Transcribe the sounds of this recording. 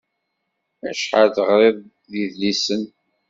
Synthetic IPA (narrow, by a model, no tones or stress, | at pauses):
æ̰ʃħaðəʁɾˤɪðˤ | ðiðlisən